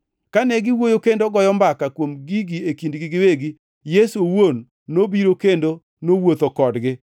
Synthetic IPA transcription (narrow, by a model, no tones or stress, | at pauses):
kanɛɡɪwojokendoɡɔjɔmbakakwomɡiɡiekindɡɪɡɪweɡi | jesowonː | obiɾokendo | nowot̪okɔdɡɪ